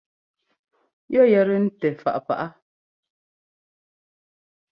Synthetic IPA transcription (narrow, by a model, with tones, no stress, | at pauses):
jɔ˦jɛ˨ɾə˦n̩˦tɛ˨fa̰˨ʔpa̰˨ʔa˦